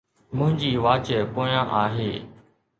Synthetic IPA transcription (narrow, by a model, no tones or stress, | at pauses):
mʊ̃ɦɪ̃ɲd͡ʑiːʋaːt͡ɕəpoːjãːʔaːɦeː